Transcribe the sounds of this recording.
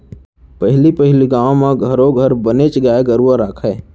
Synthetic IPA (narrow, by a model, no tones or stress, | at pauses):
pəɦɪlipəɦɪliɡaːõmẽɡʱəɾõɡʱəɾbənet͡ʃɡaeɡəɾuaɾaːkʰɛː